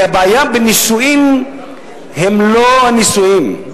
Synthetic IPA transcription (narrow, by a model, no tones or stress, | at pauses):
abajambinisuini | ɦemloanisuini